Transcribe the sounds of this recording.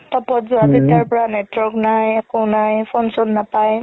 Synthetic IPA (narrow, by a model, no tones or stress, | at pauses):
tɔpɔtzuazitijaɹpɔɹanɛtwɔɹknajɛkɔnajpʰɔnsɔnːapaj